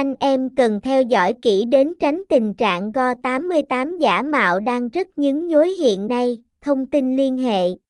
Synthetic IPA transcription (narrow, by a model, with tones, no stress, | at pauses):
ʔa˧jŋ̟ʔɛ˧mkə˨˩nt̪ʰɛ˧wzɔ̰˧˥jki˧˩ɗe˨˦nt͡ɕa˨˦jŋ̟t̪ï˨˩ŋ̟t͡ɕa̰ː˧˨ŋɣɔ˧t̪aː˨˦mːɨ˧əjt̪aː˨˦mzaː˧˩˥ma̰ː˧˨wɗaː˧ŋzə˦˥t̚ɲɨ̰˧˥ŋzo˨˦jɦḭ˧˨ənːa˧j | t̪ʰə˧wŋ͡mt̪i˧nli˧ənɦḛ˧˨